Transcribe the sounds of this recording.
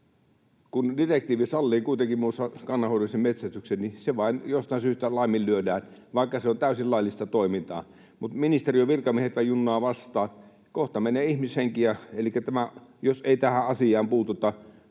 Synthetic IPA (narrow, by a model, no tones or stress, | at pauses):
kundirek̚t̪iːʋisɑlːiːkuit̪eŋkimmusɑkɑnːɑhoˑlusemmet̪sæst̪yksenniseʋɑˑinjost̪ɑˑinsyːst̪ælɑˑimːillyødæːnʋɑˑikːɑseont̪æˑysillɑˑilːˑist̪ɑt̪oˑimint̪ɑ̰ː | mut̪minist̪erioʋirkɑmiehet̪ʋɑijjunːɑːʋɑst̪ɑː | koht̪ɑmeneːihmisheŋkijɑelikːæt̪æmæjoseˑit̪æhæʔɑsijˑɑːmpuːt̪ut̪ːɑ